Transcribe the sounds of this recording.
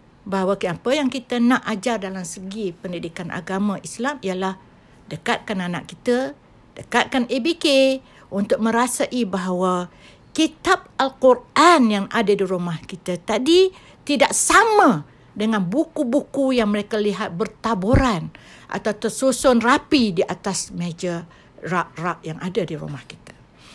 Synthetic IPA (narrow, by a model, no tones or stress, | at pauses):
baɦawaapəjaŋkit̪ənaʔad͡ʒardalamsəɡipəndidikanʔa̰ɡamãʔislamijalah | dəkat̪̚kanana̰ʔkit̪ə | d̥əkat̪̚kanebike | unt̪ʊk̚mə̃ɾasaʔibaɦawa | kit̪ap̚alkurʔanjaŋadadiɾumahkit̪at̪adi | t̪idaʔsamã | dəŋanbukubukujaŋməɾekaliɦat̪̚bərt̪aboɾan | ʔa̰t̪awt̪əsusɔnrapidiʔat̪asmed͡ʒa | raʔraʔjaŋʔadadiɾṵmahki̥t̪ḁ